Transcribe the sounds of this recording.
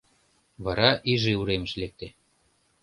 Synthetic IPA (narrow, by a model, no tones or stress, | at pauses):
βɑɾɑʔiʒeuɾemə̆ʃlek̚t̪e